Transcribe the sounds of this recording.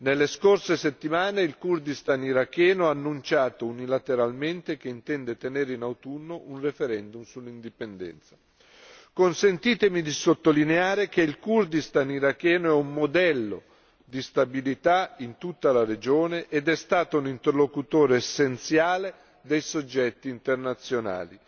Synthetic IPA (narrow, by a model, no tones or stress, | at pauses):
nelːeskorseset̪ːimaːneilkurd̪ist̪aniɾakːɛːnoaːnːunt͡ʃaːt̪ounilat̪eɾalment̪ek̟eint̪ɛnd̪et̪eneːɾeinawt̪unːoʔunrefeɾɛnd̪umsulːind̪ipend̪ɛ̰nt̪sḁ | konsent̪iːt̪emid̪isot̪ːolineaːɾek̟eilkurd̪ist̪aniɾakːɛːnoɛumːod̪ɛlːo̰ | d̪ist̪abilit̪aint̪ut̪ːalared͡ʒoːneʔːd̪ɛst̪aːt̪ounint̪erlokut̪oːɾoesːent̪sjaːle | d̪ejsod͡ʒːɛt̪ːiːnt̪ernat̪sːjona̰ːli